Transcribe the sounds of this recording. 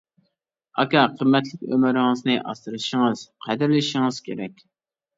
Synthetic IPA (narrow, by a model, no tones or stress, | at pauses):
ɑkʲɑqʰəmːɛt̪lɪkʲø̰mɪɾɪŋɨznɨʔɑ̰st̪ɨɾɨʃɪŋɨz̥qʰɛd̪ɪɾlɪʃɪŋɨz̥kʲʰeɾɛkʲ